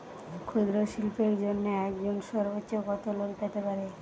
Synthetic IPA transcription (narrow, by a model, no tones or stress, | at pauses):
kʰud̪ɾoʃilpeɾd͡ʑonːeɛkd͡ʑonʃɔɾbotːɕokɔt̪olokpet̪epaɾe